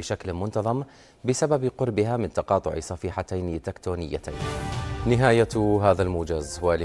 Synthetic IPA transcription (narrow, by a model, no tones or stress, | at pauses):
ɪʃaklmʊnt̪ɑðˤɑm | bɪsababqʊɾbɪɦamɪnt̪ɑqɑːt̪ˤʊ̰ʕḭsˤɑfiːħat̪ajnt̪ːɪkt̪uːnɪjːa̰t̪ʰa̰ːnnɪɦaːjaɦaːðalmʊːd͡ʒazwal